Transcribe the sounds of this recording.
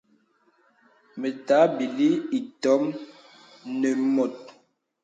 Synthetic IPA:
me˨ta˨˦bi˨li˦i˨tɔ˨˦m | ne˨mɔ˨t̚

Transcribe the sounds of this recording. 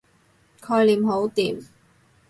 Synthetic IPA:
kʰɔː˧jliː˨˩mɦo˨˥wt̪iː˨˩m

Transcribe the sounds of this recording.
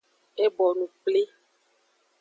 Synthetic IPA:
e˦bɔ˨nũ˨k͡ple˦

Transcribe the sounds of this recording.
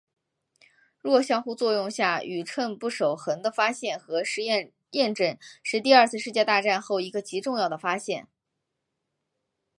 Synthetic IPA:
ɻwɔ˥˩ɕjɑ˥ŋxu˥˧t͡swɔ˥˧jʊ˥˧ŋɕja˥˩y˨˩ʈ͡ʂʰwə˥˧npu˥˩ʂo˨˩ʊxə˧˥ŋd̪ə˧fa˥ɕjɛ˥˩nxɤ˧˥ʂɻ̩˥˧ɛ˥˧ | jɛ˥˧nʈ͡ʂə˥˧nʂɻ̩˥˧t̪i˥˧ɐ˞˥˧t͡sʰɹ̩˥˧ʂɻ̩˥˧t͡ɕjɛ˥˧t̪a˥˧ʈ͡ʂa˥˧nxo˥˩ʊi˧˥ɡə˧t͡ɕi˧˥ʈ͡ʂʊ˥˧ŋjɑ˥˩ʊd̪ə˩fa˥ɕjɛ˥˩n

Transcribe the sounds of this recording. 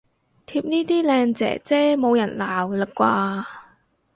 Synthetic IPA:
t̪ʰiː˧p̚niː˥t̪iː˥lɛː˧ŋt͡sɛ̰ː˨˩t͡sɛː˥mo˨˧wjɐ˨˩nlaː˨˩wlɐ˨˩p̚kʷwaː˧

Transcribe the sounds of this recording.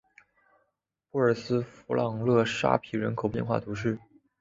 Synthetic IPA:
pu˥˩ə˞˨˩sɹ̩˥fu˧˥lɑ˨˩ŋlɤ˥˧ʂa̰˥pʰi˨˥ɻə˧˥nkʰo˨˩ʊpjɛ˥˧nxwa̰˥˩t̪ʰu˧˥ʂ̬ɻ̩˥˩

